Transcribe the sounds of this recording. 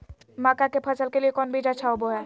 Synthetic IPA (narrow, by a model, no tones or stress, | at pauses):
maːkakepʰəsəlkeliekɔːnbʱid͡ʒat͡ʃʰaɦoboɦɛː